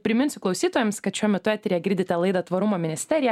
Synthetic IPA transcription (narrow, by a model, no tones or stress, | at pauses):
pʲɾʲɪmʲɪnʲsʲʊklˠɐʊsʲiːt̪oːjɛmskɐt̪ʃʲuɔmʲɛt̪ʊæːt̪ʲɾʲejɛɡʲɪɾʲd̪ʲɪt̪ʲɛlˠɐɪd̪ɐt̪ʋɐɾʊmoːmʲɪnʲɪsʲt̪ʲɛɾʲɪjɛ